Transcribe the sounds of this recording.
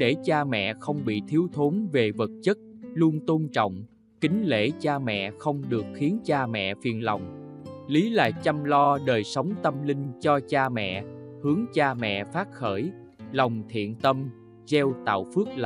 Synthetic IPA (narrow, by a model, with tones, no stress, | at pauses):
ɗe˧˩t͡ɕaː˧mɛ̰˧˨xə˧wŋ͡mɓḭ˧˨t̪ʰi˨˦əwt̪ʰo˨˦nve˨˩və˨˩t̚t͡ɕə˦˥t̚lu˧ənt̪o˧nt͡ɕɔ̰˧˨wŋ͡m | kï˨˦ŋ̟lḛ˧˩t͡ɕaː˧mɛ̰˧˨xə˧wŋ͡mɗɨ˨˩ək̚xi˨˦ənt͡ɕaː˧mɛ̰˧˨fi˨˩ənla˨˩wŋ͡mli˨˦la̰ː˨˩t͡ɕa˧mlɔ˧ɗəː˨˩jsə˨˦wŋ͡mt̪ə˧mlï˧ŋ̟t͡ɕɔ˧t͡ɕaː˧mɛ̰˧˨hɨ˨˦əŋt͡ɕaː˧mɛ̰˧˨faː˦˥t̚xəː˧˩j | la˨˩wŋ͡mt̪ʰḭ˧˨ənt̪ə˧m | zɛ˧wt̪a̰ː˧˨wfɨ˦˥ək̚l